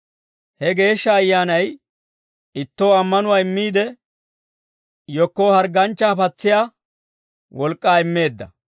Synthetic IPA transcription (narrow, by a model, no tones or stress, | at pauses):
hɛɡe̞ːʃːɐːjːaːnɐj | ɪt̪ːo̞ːɐmːɐnʊwaːɪmːiːd̪ɛ | jɔkːoːhɐɾɡɐnt͡ʃːafɐt͡sːɪjaː | wɔlkʼːaːɪmːe̞ːd̪ːɐ̰